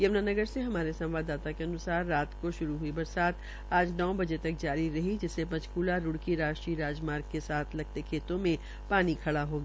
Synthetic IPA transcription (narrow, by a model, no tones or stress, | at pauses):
jɐʋnaːnɐɡəɾseɦɐmaːɾesɐ̃mʋaːd̪aːt̪akeɐnʊsaːɾːaːt̪koʃʊɾuɦuibɐɾsaːt̪ | aːd͡ʒnɔːbɐd͡ʒet̪ɐk̚d͡ʒaːɾiɾɐɦid͡ʒɪsepɐ̃t͡ʃkuːlaɾʊɽkiɾaːʃʈɾiɾaːd͡ʒmaːɾɡ̚kesaːt̪ʰlɐɡ̚t̪ekʰeːt̪õmẽ | paːnikʰɐɽaɦoːɡaː